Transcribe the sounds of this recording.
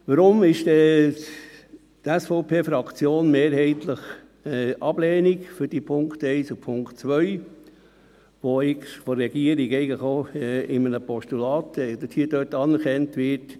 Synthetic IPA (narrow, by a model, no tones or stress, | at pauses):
ʋəɾʊmɪʃdɛ | tæsfɔʊpʰeːfɾɑkt͡sjoːnmeːɾhɛɪtləχ | ɛʔɑb̥lɛːnikfʏɾd̥ipʰʊŋktɛɪsupʰʊŋkt͡sʋœʏ | ʋoɪkfɔɾɾɛɡ̥iəɾiɡɛɪɡəχoɛɪmənəpɔʃtulɑːt̪ɛd̪əthiədøtɑnɛɾkɛntʋɪɾt